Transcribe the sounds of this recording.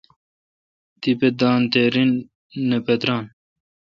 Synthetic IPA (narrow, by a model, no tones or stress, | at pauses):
t̪iped̪aːnt̪eɾinː | əpɐt̪ɾaːn